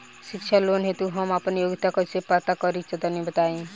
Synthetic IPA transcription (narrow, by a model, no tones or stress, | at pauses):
ʃɪkt͡ʃʰaloːnɦet̪uɦəmapnjoɡɪt̪akosepat̪akɔɾit͡ʃəd̪anibət̪aĩ